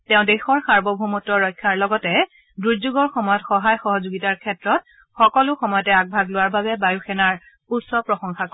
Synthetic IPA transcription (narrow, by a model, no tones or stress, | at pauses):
tɛ̃ʊ̃dexɔɹsaɹbɔbʱumɔtːɔɹɔjkʰːaɹlɔɡɔtɛ | duɹzuɡɔɹxɔmɔjɔtxɔɦajxɔɦɔzuɡitaɹkʰɛtɹɔt̚ | xɔkɔlʊxɔmɔjɔtɛaɡ̚bʱaɡlʊwaɹbabɛbajuxʰɛnaɹ | utsɔpɹɔxɔŋxak